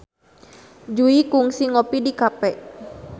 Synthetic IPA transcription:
d͡ʒuikuŋsiŋɔpidikapɛʔ

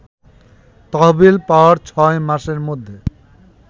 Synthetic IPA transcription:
t̪ɔɦbilpawaɾt͡ɕʰɔemaʃeɾmod̪ʱːe

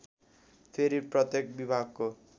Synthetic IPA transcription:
pʰeɾiprʌt̪jek̚bibʱaɡ̚ko

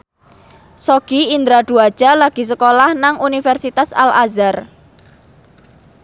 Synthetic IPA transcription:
soɡ̥iind̪ɾaɖ̪̥uad̥ʒ̥a̤laɡ̥i̤s̬əkolahnaŋʔunifɛrsit̪asa̰lazar

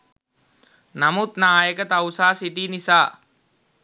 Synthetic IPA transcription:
namut̪naːjəkət̪awsaːsiʈiːnisaː

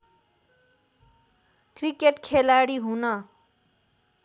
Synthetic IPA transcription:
krikeʈkʰelaɽiɦunʌ

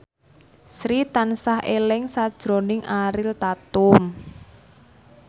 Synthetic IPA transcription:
sɾit̪ansahʔelɪŋsad̥ʒ̥ɾo̤nɪŋʔaɾɪlt̪at̪ʊm

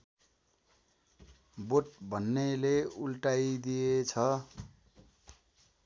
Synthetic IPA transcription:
boʈ̚bʱʌnːeleulʈajd̪ijet͡sʰʌ

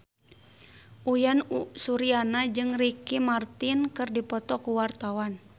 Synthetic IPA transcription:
ʔujanusuɾianad͡ʒɨŋrikimart̪inkɨrdipɔt̪ɔkuwart̪awan

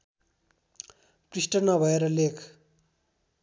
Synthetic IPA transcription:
prisʈʌrnʌbʱʌeɾʌlekʰ

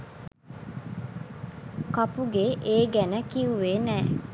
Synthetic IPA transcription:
kapuɡeʔeːɡænəkiuʋeːnɛː

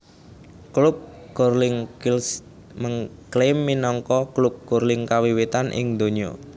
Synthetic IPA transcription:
klup̚ | ɡ̥orlɪŋkls | məŋklemːinɔŋkɔklup̚ɡ̥orlɪŋkawiwit̪anʔɪ̰ŋd̪o̤ɲiɔ̰

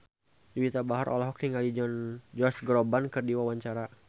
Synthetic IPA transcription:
d͡ʒuwit̪abaɦaɾʔɔ̰lɔɦɔk̚niŋalid͡ʒɔnd͡ʒɔasɡɾɔbankɨrdiwawaɲt͡ʃaɾa

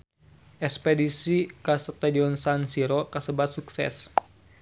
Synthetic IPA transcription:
ʔɛkspedisikasət̪adiɔnsansiɾokasəbat̪̚suksɛ̰s

